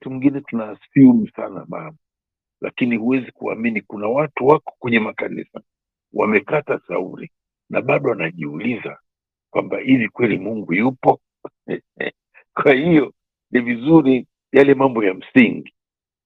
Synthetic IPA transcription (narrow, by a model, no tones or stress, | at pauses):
tumiŋɡinɛtunasium̩sa̰na̰ma̰mɔ | la̰kinihuwɛzikua̰minikunawatuwakɔ̥kwɛɲɛmakanḭsa | wa̰mɛkatasa̰uɾḭ | naɓaɗɔanaʄiuliza | kwambahivikwɛlimuŋɡujupɔ | kwahijɔ | nivizuɾi | jalɛmambɔjam̩siŋɡi